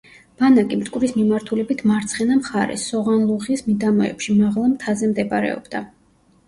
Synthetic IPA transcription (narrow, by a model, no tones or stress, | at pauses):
b̥anakʼimt̪ʼkʼuɾismimaɾt̪ʰulɛbit̪ʰmaɾt̪sʰχɛnamχaɾɛ̰sːɔʁanlˠuʁismid̪amɔɛ̰pʃimaʁlˠamt̪ʰazɛmd̪ɛbaɾɛ̰ɔ̰bd̪a